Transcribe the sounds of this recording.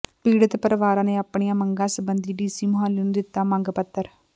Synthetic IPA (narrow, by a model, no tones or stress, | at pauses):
piːɽət̪pəɾəʋaːɾãːneːaːpɳijãːməŋɡãːsəbənd̪iːɖiːsiːmʊɦaːlːnũːd̪ɪt̪ːaːmə̃ŋɡpət̪ːəɾ